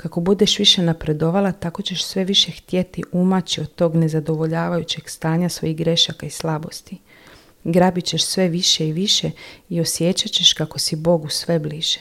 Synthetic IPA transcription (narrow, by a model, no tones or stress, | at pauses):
kako̞bud̪eʃʋiʃe̞napɾe̞d̪o̞ʋalat̪ako̞t͡ɕe̞ʃsʋe̞ʋiʃe̞xt̪je̞t̪iʔumat͡ɕiod̪t̪o̞ːɡne̞zad̪o̞ʋo̞ʎaːʋajut͡ɕe̞ɡst̪aːɲasʋo̞̰jiɦɡɾe̞ʃakaislˠabo̞st̪i | ɡɾaːbit͡ɕe̞ʃsʋe̞ʋiʃe̞iʋiʃe̞io̞sje̞ːt͡ɕat͡ɕe̞ʃkako̞sibo̞ɡusʋe̞bliːʒ̥e̥